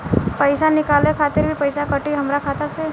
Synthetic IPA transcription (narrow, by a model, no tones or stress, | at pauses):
pəɪsanɪkalekʰat̪ɪɾbʱipəɪsakəʈiɦəmɾakʰat̪ase